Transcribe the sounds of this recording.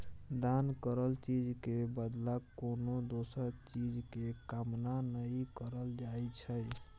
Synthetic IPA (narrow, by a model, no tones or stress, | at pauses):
d̪ankəɾəlt͡ʃid͡ʒkebəd̪lakonod̪osəɾt͡ʃid͡ʒkekamnanəjkəɾəld͡ʒajt͡ʃʰəj